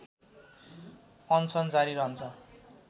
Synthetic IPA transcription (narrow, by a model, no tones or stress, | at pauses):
ʌnsʌnt͡saɾiɾʌɦʌnt͡sʰʌ